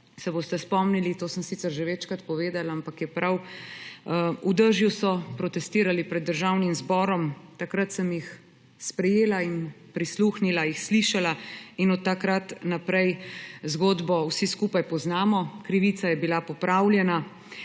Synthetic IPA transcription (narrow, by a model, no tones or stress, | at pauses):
sɛboːst̪ɛspɔmnilit̪oːsəmsiːt̪sɛɾʒɛʋɛt͡ʃkɾat̪pɔʋeːd̪alaampakjɛpɾaw | ud̪əɾʒjusɔpɾɔt̪ɛst̪iːɾalipɾɛd̪ːəɾʒaːwnimzbɔːɾɔmt̪akɾat̪səmjix | spɾɛjeːlain | pɾisluːxnilajixsliʃalainɔt̪ːakɾat̪napɾɛjzɡoːd̪bɔwsiskuːpajpɔznaːmɔkɾiʋiːt̪sajɛbilapɔpɾawlʲjɛna